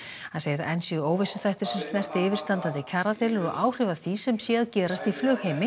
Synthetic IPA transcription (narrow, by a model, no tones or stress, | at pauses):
hãnseːjðɪɾɛnsiʏoːwvɪsʏθajht̪ɪɾ̥sɛmst̪nɛr̥t̪ɪːvɪɾ̥t̪ant̪aðɪcʰaːɾat̪ɛːlʏɾɔɣʔaːwr̥ɪvaθisɛmsjɛːðcɛːɾast̪iflœːɣheːjmɪ